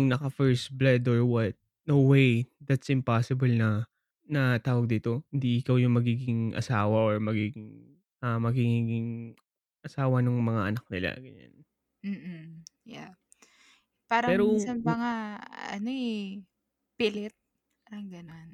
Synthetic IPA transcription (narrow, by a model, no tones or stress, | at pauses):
jʊŋnɐkɐfɛɹsblad̪oɹwɐt̪̚ | nowejd̪at̪sɪ̃mpaːsɪbɐlnɐ | nɐt̪aːwɐɡ̚d̪iːt̪o̞hɪnd̪iʔɪkawjʊŋmɐɡiːɡɪŋʔɐ̰saːwɐʔoɹmɐɡiːɡɪŋ | ɐmɐɡiŋiːɡɪŋ | ʔɐsaːwɐnʊŋmɐŋaʔɐnak̚nɪla̰ɡɐɲa̰n | m̩ː | ja | paːɾɐpɛːɾosanpɐŋaɐ̰noɛ | pɪlɛt̪̚ | paːɾɐŋɡɐnon